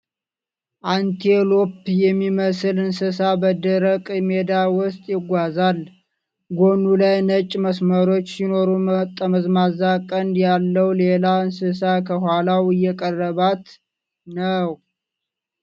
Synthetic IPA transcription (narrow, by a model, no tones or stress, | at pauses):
ʔant̪ʰelopjɛmːiməsɨlɨnsɨsabəd̪əɾəkʼme̞d̪awʊst̪ʼjɪɡʷazal | ɡonulajnət͡ʃʼməsməɾo̞t͡ʃːsino̞ɾumət̪ʼːəməzmazakʼənd̪jalːəwle̞laɨnsɨs̬akʰəhʷalawɨjɛkʼərːəβat̪ | nəw